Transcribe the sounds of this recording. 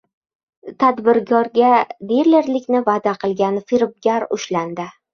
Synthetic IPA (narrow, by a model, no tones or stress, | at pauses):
t̪ʰad̪bɪɾɡʰɒɾɡʲad̪eɾlɪɾlɪkʲnɪvad̪aqʰɨlˠɡʲanfiɾb̚ɡʲaɾʊ̰ʃland̪ɪ